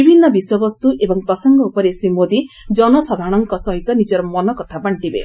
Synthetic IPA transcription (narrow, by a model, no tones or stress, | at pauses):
ibʱinːɔbiswɔbɔst̪uʔebɔŋpɾɔsɔŋɡɔupɔɾesɾimod̪i | d͡ʒɔnɔsɔd̪ʱaɾɔɽ̃ɔŋkɔsɔɦit̪ɔnid͡ʒɔɾɔmɔnɔkɔt̪ʰabaɳʈibḛ